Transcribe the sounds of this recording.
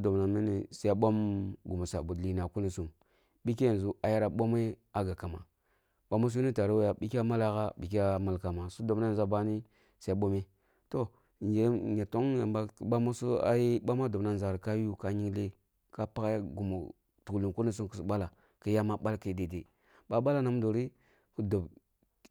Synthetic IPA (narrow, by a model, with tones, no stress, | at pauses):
do˨bna˨mi˦ni˨sa˦ɓo˦mɡu˨mu˨sa̰˨bu˨dli˦na˨ku˦ni˨su˦m | ɓi˦k̬e˦jn˨zu˦a˨ja˦ɾa˨ɓo˦m˦e˦a˦ɡa˨ka˨ma˨ | ɓa˦mu˦s̬u˦ni˦ta˨ɾa˦wja˨ɓi˦ki˦a˦ma˦la˦ɣa˦ɓi˨kʲa˦ma˨lka˨ma˨su˦do˨bna˦˨za˦ba˦ni˦ | sa˦ɓo˦me˦ | to˦˨ | n˨d͡ʒe˨˦ɲa˨to˦ŋja˨mba˦kɓa˦mo˦su˦a̰˦ji˦ɓa˦ma˦do˨bna˦˨za˨ɾka˦ju˦ka˦ɲi˦ŋ˦le˦ | ka˦pa˦kja˦ɡu˨mo̰˨ | tu˨klu˨ku˦ni˦s̬u˦mkə˨su˨ɓa˦la˨ | kə˦ja˦ma˦ɓa˦lkə˨de˨de˨ | ɓa˦ɓa˦la˦na˨˦m˦do˨ɾi˦ | kə˦do˨b